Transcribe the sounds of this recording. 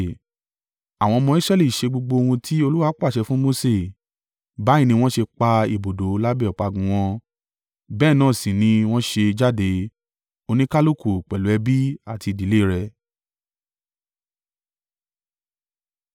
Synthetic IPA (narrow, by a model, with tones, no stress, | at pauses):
a˨w̃ɔ̃˧mɔ̃˧i˦sɾɛ˦li˦˨ʃe˧ɡ͡bo˧ɡ͡bo˧hũ˧tʰi˦o˧lu˦wa˧˦k͡pa˦˨ʃɛ˧fũ˦mo˧se˦˨ | ba˨˦ĩ˦˧nĩ˧w̃ɔ̃˦ʃe˧k͡pa˧i˨bo˨do˨˦la˦bɛ˦˨ɔ˨k͡pa˨˧˨ɡũ˨w̃ɔ̃˧ | bɛ˦˨nãː˦˨sĩ˨nĩ˧w̃ɔ̃˦ʃe˧d͡ʒa˦de˨˦ | o˧nĩ˦ka˦lo˦˨ku˨k͡pɛ˨lu˨˦ɛ˧bi˦a˦˨ti˧di˨le˦˨ɾɛ˧